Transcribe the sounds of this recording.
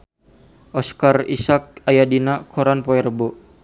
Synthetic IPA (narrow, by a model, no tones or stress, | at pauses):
ʔɔskarḭsak̚ajadinakʰɔɾanpɔɛrbɔ